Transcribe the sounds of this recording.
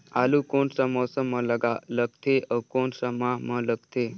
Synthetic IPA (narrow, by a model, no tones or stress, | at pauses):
alukonsamɔsəmːələɡaləɡt̪ʰeʔəkoɳsəmaɦmələɡt̪ʰe